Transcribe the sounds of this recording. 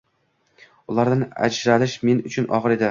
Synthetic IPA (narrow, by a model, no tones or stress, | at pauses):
ʊlˠaɾd̪ana̰d͡ʒɾalɪʃmenʊt͡ʃʰʊnʔɒ̰ʁɨɾe̞d̪ɪ